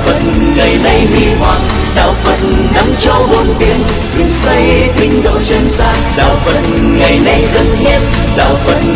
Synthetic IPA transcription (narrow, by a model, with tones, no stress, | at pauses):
fə˧˨˩t̚ŋə˨˩jna˧jmḭ˧˩hwaː˨˩t̚ | ɗa̰ː˧˨˩wfə˧˨˩t̚na˧mt͡ɕa˧˦wmo˨˩nt̪i˨˦ən | zɨ˨˦ŋsə˧jt̪ʰï˧ŋ̟ɗə˨˧˩wt͡ɕə˧˦nsaː˧˩ɗa̰ː˧˨˩wfə˧˨˩t̚ŋə˨˩jna˧jzə˧˩nhɛ˧˥t | ɗa̰ː˧˨˩wfə˧˨˩t̚